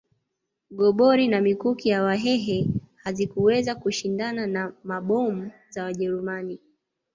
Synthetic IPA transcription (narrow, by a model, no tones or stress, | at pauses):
ɠɔɓɔɾinamikukijawaɦɛɦɛhazikuwɛzakuʃindananamaɓɔm̩zawaʄɛɾumani